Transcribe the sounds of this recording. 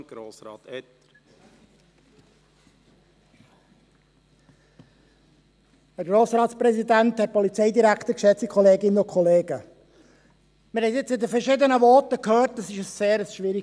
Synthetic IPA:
ɡ̥ɾoːsɾɑ̰ːt̪ɛt̪ | hæɾɡ̥ɾoːsɾɑːt̪spɾɛsid̪ænt̪hɛt̚pɔlit͡sɛɪd̪iɾækχt̪əɾkʃɛt͡sikʰɔleːɡɪnəʊkʰχɔleːɡə | məɾhɛɪtɪt͡sɪdəfəɾʃɪd̪ənəʋɔtəkʰhøːɾtːɑsɪʃəsːeːɾəsʃʋɪɾi

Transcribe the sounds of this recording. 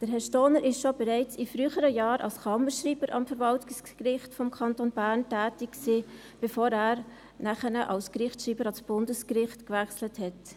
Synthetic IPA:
d̥əɾɦɛʃtoːnəɾɪsʃobɛɾɛɪt͡sifɾyːχəɾəjɑːɾʔɑ̰lskɑməʃriːb̥əɾʔɑ̰mfəɾvɑltɪskrɪχtfɔmkʰɑntonbæːɾntæːtɪkksiː | b̥efoːɾæːɾ | næχənəʔɑlskɾɪχtʃɾiːbəɾɑsb̥ʊndəskrɪχtkʋæχsləthɛt

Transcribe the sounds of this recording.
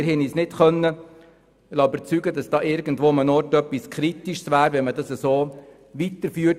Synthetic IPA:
ɾhɛnisnɪtχœnːə | lɑybəɾt͡syɡədɑsd̥ɑːʔɪɾɡ̥n̩dvʋoːɑmənɔɾtœpːiskʰχɾit̪iʃsʋæːɾʋɛnmədɑsəsoː | ʋit̪əɾfyːət

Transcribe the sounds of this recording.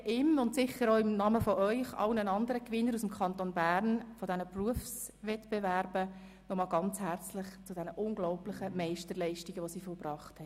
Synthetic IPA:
ʔɪmʊntsɪχəɾoʊɪmnɑməfɔʔœʏχɑ̰ʊnənɑndəɾəkʋɪnːəɾusmkʰɑntonbæːɾnfɔdɛnəpruəfs | ʋɛtb̥evæɾb̥ə | nɔmɑːlɡɑnt͡shært͡slɪχt͡sʊd̥ɛnəʔʊŋɡlɔʊplɪχəmɛɪʃtəɾlɛɪʃtiɡ̥əʋosiːfɔlbrɑːχthɛ

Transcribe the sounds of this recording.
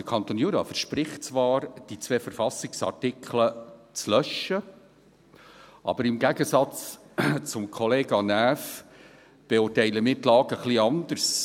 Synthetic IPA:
d̥əkʰɑnt̪onjuːɾɑ̰ːfəɾʃpɾɪχtt͡sʋɑːɾd̥it͡svʋɛːfəɾfɑsɪksɑ̰rtɪkʰχlət͡slœʃə | ʔɑ̰b̥əɾɪmɡæɡəsɑt͡s | t͡sʊmkʰɔleːɡɑnæːf | b̥ɛʊːrtɛɪləmɪːt̪lɑːɡ̥əχliɑnd̪əɾs

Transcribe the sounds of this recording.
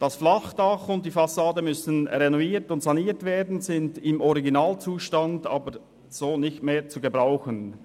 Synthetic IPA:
d̥ɑsflɑχd̥ɑχʊnt̚d̥iːfɑsaːdəmʏsən̩ʁɛnɔiːtʊntsɑniːtv̥eːɐdn̩zɪndɪmɔʁiɡinaːlt͡suːʃtɑndɑːbəɾ | z̥oːnɪçtmeːt͡suɡəbʁaʊxən

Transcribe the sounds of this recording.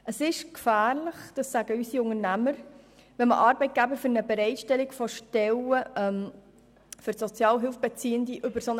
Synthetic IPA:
ʔəsɪʃkfæːrləχd̪̥ɑsːæɡ̥əysiʊŋəɾnæməɾ | ʋɛnmə̰ʔɑːɾbɛɪt̚ɡ̥æbəɾfʏɾnəbɛɾɛɪtʃtɛliɡfɔʃtɛləʔɛm | fɵɾsɔt͡sjɑːlɦɪlfb̥ɛt͡siːəndiʔʏbəɾsonə

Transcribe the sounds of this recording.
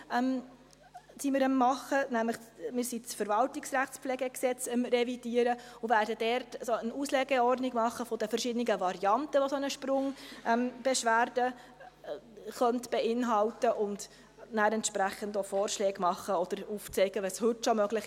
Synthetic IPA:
ɛm | simɪɾəmːɑχənæmləχmɪɾsit͡sfəɾvɑltiksræχt͡spflɛːɡɛksɛt͡səmrɛvid̥iːəɾəʊvæːɾdəd̥ɛɾtsoənuslɛɡɛɔrdniɡmɑχːəfɔd̥əfərʃɪdəniɡəvɑɾiɑntəʋosɔnəʃprʊŋʔɛmb̥ɛʃʋæːrd̥ə | χœntb̥ɛɪnɦɑltəʔʊnd | næːɾɛntʃpɾæχːəndofɔːrʃlɛːɡmɑχːəɔd̥əɾuft͡sɛɪɡ̥əʋɛshɵtːʃomœɡlɪχ

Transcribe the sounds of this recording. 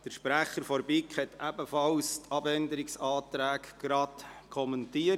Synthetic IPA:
d̥əɾʃpɾæχəɾfɔɾbɪkχhɛt̪ʰæbəfɑlst̪ʰɑbɛndəɾɪksɑːtɾæːkɡ̥ɾɑtkʰɔməntiə

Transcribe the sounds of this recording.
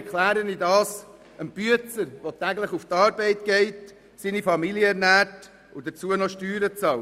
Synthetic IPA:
ɛɾkʰlæːɾənidɑːs | ənb̥yət͡səɾvotæɡləχuft̪ɑːɾbɛɪtɡ̥ɛɪt | siːnifɑmiljəɛɾnæːt | ʊdət͡suənɔʃtyːɾət͡sɑl

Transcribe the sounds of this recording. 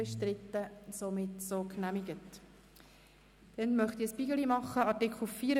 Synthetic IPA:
ɛʃtɾɪt̪ːəsomɪtsoknæmiɡət | d̥ɛnmœχt̪iəspiɡəlimɑχːəɑtɪkχl̩fiːɾ

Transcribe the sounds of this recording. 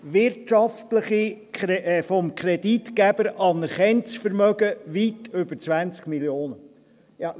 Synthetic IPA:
ʋɪɾtɑft̪ləχi | fɔmkʰɾɛd̥it̪kæb̥əɾɑnəɾχɛnt͡sfəɾmœɡəʋitʉb̥əɾt͡sʋænt͡skmiljoːnə | jɑ

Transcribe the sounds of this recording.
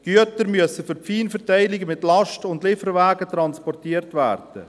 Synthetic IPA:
ɡ̥yətəɾmyəsəfʏɾpfiːnfəɾtaɪlɪɡəmɪtlɑʃtʊndlɪfəɾvæːɡətrɑnspɔrtiːərtvæːrd̥ə

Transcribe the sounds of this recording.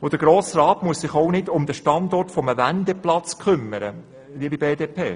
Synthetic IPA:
od̥əɡ̥ɾoːsrɑːtmuəssɪχoʊnɪdʊmd̪əʃtɑndɔrtfɔməvændɛplɑt͡skχʏmːəɾə | liəbibeːdeːpʰḛː

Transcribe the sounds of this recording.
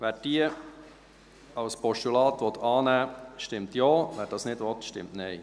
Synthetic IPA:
ʋæːɾd̥iə | ɑlspɔʃtulɑːt̪ʋɔt̪ʰɑːnæːʃtɪmt̪jɑːvæːɾd̥ɑsnɪdʋɔt̪ʃtɪ̰mtnɛɪ

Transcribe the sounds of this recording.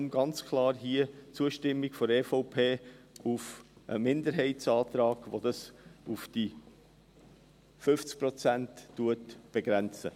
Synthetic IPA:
mɡ̥ɑnt͡skʰlɑːɾɦiət͡suəʃtɪmːiɡfɔɾɛːfoʊpʰeː | ufʔə̰mɪndəɾɦɛɪsɑːt̪ɾɑːɡ̥ʋod̥ɑsufd̥i | fʏft͡sk̚pɾɔt͡sæntːuətb̥eɡɾænt͡sə̰

